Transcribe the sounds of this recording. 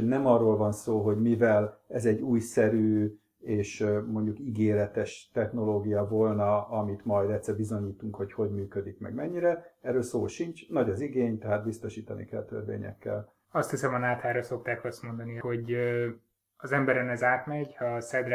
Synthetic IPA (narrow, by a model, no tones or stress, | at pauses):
nɛmɒrːoːlvɒnsoːɦo̞ɟmivɛlɛzɛɟːuːjsɛɾyː | eːʃmo̞ɲɟukiɡeːɾɛt̪ɛʃt̪ɛxno̞loːɡijɒvolnɒɒmit̪mɒjd̪ɛt̪sɛbizo̞ɲiːt̪uŋkho̞cho̞ɟmyːkø̞d̪ikmɛ̰ɡmɛɲːiɾɛɛrːøːlsoːʃint͡ʃnɒɟɒziɡeːɲt̪ɛɦaːt̪̚bist̪o̞ʃiːt̪ɒnḭkɛ̰lt̪ø̰rvḛːɲɛ̰kːɛ̰l | ɒst̪hisɛmɒnaːt̪aːɾɒso̞k̚t̪aːkɒst̪mo̞nd̪ɒniho̞ɟ | ɒzɛmbɛɾɛnɛzaːrt̪mɛɟhɒsɛd̪r